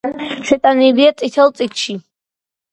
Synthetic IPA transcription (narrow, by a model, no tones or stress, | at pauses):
nʃɛt̪ʼaniliat͡s̪ʼit̪ʰɛlˠt͡sʼit̪ʰʃi